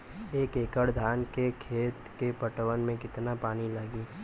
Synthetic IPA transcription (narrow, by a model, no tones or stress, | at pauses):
eːkeːkəɽd̪ʱaːnkekʰeːt̪kepəʈwənmẽkɪt̪napaːnilaːɡiː